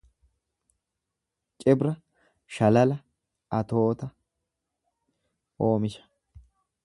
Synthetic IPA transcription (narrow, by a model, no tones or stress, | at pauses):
t͡ʃʼɪbɾɐ | ʃɐlɐlɐ | ɐt̪o̞ːt̪ɐ | o̞ːmɪʃɐ̥